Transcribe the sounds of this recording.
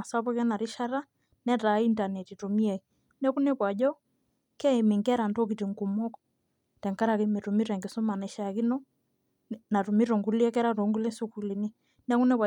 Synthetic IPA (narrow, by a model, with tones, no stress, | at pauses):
a˨sa˦pɔ˦kɛ˦na˨ɾi˦ʃa˦ɾa˦ | nɛ˦ta˨˦i˦nta˨nɛ˨ti˨to˨mi˦ɛ˨ | nɛ˦ku˦nɛ˦kwa˨ʄɔ˦ | kɛ˦ɛ˨me˨ŋɡɛ˦ɾa˨nto˦ki˨ti˨ŋɡu˨mɔ˦k | tɛ˨ŋka˦ɾa˨ki˦me˨tu˨mi˦ɾɛ˨ŋɡi˨so˦ma˨nɛ˨ʃa˨ki˦nɔ˦ | na˨tu˨mi˦ɾo˨ŋɡu˦li˦ɛ˦kɛ˦ɾa˦to˨˦ŋɡu˦lɛ˦su˦ku˨li˨ni˦ | nɛ˦ku˦nɛ˦kwa˨